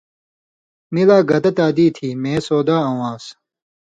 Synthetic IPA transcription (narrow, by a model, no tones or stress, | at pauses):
milaːɡɐd̪ɐt̪aːd̪iːt̪ʰiːmẽːsoːd̪aːɐ̃wãːs